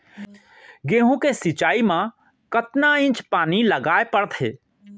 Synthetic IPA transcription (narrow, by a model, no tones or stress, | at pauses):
ɡeːɦũkesɪt͡ʃaːimã | kət̪naɪ̃nt͡ʃpaːniləɡaːepəɽt̪ʰɦḛː